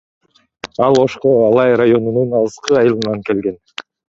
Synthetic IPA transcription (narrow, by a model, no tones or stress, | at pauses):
ɑlˠo̞ʃqoɑlˠɑjɾajo̞nununɑlˠɯsqɯɑjɯlˠɯnɑŋke̞lɡe̞n